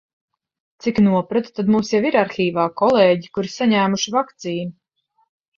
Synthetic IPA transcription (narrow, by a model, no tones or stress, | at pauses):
t̪siknuɔpɾat̪t̪ad̪mumsjaviɾaɾxiːvaːkɔlˠeːɟikuɾisaɲæːmuʃivakt̪siːnu